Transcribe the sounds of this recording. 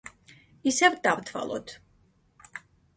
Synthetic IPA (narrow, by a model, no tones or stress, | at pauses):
isɛvd̪avt̪ʰwa̰lˠɔ̰t̪ʰ